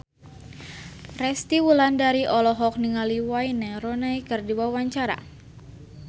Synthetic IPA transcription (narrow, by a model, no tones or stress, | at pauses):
rɛst̪iwulandaɾiʔɔlɔɦɔk̚niŋaliwajnɛrɔnajkərdiwawaɲt͡ʃaɾa̰